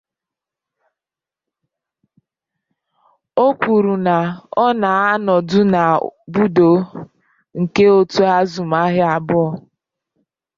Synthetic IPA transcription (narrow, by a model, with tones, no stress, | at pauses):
o˦k͡pu˨ɾu˨na˨ɔ˦na˨a˦nɔ˨dʊ˦na˨bu˦do˨˦ | ŋ̩˨ke˦o˦tu˦a˦zu˨ma˦ɦɪ˦a˨bʊ˦ɔ˦˨